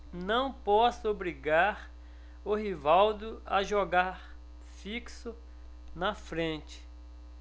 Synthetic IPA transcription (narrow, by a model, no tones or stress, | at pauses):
nɐ̃w̃pɔsobɾiɡaɾ | ʊɦivawd̪ʊɐʒoɡaɾ | fiksʊ | nɐfɾẽt͡ʃɪ̥